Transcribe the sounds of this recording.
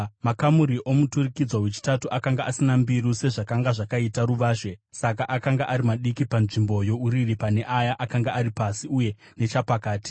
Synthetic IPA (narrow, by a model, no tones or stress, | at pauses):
makamuɾiʔo̞muturikid͡zwaɦwet͡ʃi̥tatuʔakaŋɡaʔasinambiɾuse̞ʐakaŋɡaʐakaitaɾuʋaːʃwe̞sakaʔakaŋɡaʔaɾimaɗikipanʐimbo̞jo̞uɾiripane̞ʔajaʔakaŋɡaaɾipasiuje̞ | ne̞t͡ʃapakaːti̥